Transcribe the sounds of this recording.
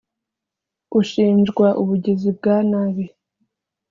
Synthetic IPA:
uʃiːnd͡ʒɡwaʔuβuɟezib̚ɡaːnaβi

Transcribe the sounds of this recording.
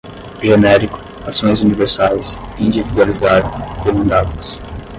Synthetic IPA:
ʒenɛɾikʊ̥ | asõj̃zuniveɾsajsĩnd͡ʒivid̪ualizaɾɐ̃keɾũd̪at̪ɐs

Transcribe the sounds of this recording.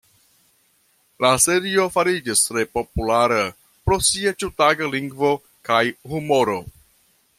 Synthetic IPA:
lase̞ɾio̞faɾid͡ʒistɾe̞po̞pulaɾa | pɾo̞siat͡ʃuwtaɡaliŋɡvo̞ | kajhumo̞ɾo̞

